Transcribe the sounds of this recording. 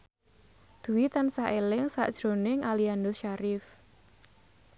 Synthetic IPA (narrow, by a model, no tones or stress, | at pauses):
d̪̥ṳwit̪ansaʔelɪŋsa̰ʔd̥ʒ̥ɾonɪŋʔaliand̪ʊsʃaɾɪf